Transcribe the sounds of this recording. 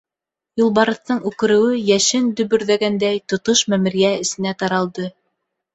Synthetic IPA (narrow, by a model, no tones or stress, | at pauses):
julˠbɑɾɤ̆θt̪ɤɴʉkɘ̆ɾɘ̆wɘjæʃɘnd̪ɵ̆βɵ̆ɾðæɡænd̪æjt̪ŏt̪oʃmæmɘ̆ɾijæɘ̆sɘ̆næt̪ɑɾɑlˠd̪ɤ